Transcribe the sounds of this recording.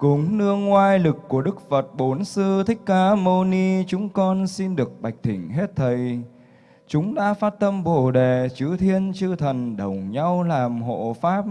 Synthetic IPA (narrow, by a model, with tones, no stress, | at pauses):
kʊ˨˦ŋ͡mnɨ˧əŋːwaː˧jlɨ˨˩kːu˧˩əɗɨ˦˥k̚fə˨˩t̚ɓo˨˦nsɨ˧t̪ʰï˦˥k̟̚kaː˨˧˦mo˧ni˧t͡ɕʊ˨˦ŋ͡mkɔ˧nsi˧nɗɨ˨˩ək̚ɓa˨˩jk̟̚t̪ʰï˧˩ŋ̟ɦe˦˥t̚t̪ʰə˨˩j | t͡ɕʊ˨˦ŋ͡mɗa̰ː˧˥faː˦˥t̚t̪ə˧mɓo˧˩ɗe˨˩t͡ɕɨ˨˦t̪ʰi˧ənt͡ɕɨ˧t̪ʰə˨˩nɗə˨˩wŋ͡mɲa˧wlaː˨˩mho̰˧˨faː˦˥p̚